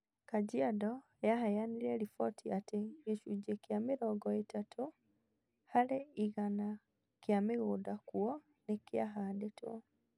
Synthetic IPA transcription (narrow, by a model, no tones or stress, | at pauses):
kad͡ʒiadɔ | jaɦajaniɾɛɾifɔtʰiateɡeʃud͡ʒekjameɾɔːɡɔetatʰo | haleiɣana | kjameɣoːdakuɔ | nekjaɦaːdetwɔ̰